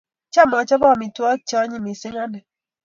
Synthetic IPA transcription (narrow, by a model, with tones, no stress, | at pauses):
t͡ʃa˦˨mɔ˨˦t͡ʃɔ˦bɔ˦˨mi˨twɔ˦t͡ʃɔ˦ɲi˦mi˨se˦ŋa˦nɛ˨